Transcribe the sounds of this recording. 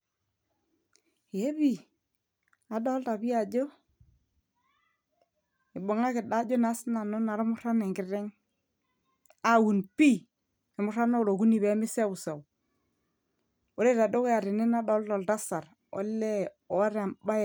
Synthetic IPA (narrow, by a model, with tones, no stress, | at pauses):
je˦bi˨ | a˨dɔ˦lta˨bi˦a˨d͡ʒo˦ | ɪ˨bo˨ŋa˦kɪ˨da˦d͡ʒo˦na˨˦sna˨no˦na˨ɾmʊ˦ɾa˦nɛ˨ŋɡɪ˨ɾɪ˦ŋ | a˦wu˨npi˦ | ɪ˨mʊ˦ɾa˦no˦˨ɾo˨ku˦ni˨be˨˦mɪ˦se˦u˨sa˨w | o˦le˦ta˨do˦ka˨ɾɪ˨ne˦na˦dɔ˦ldɔ˨lta˦sa˨ɾ | o̰˦lːe˦ | o˨wa˦ɾa˨mba˦˨